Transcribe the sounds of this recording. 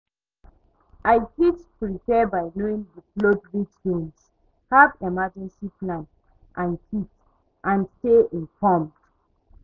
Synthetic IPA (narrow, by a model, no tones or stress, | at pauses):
ʔaɪkitpɹipɛbaɪnoĩŋbiklodɹitɡẽns | havɛmad͡ʒɛ̃nsiplãnt | ʔãnkʰit | ʔãnsteʔĩnfɔmd̥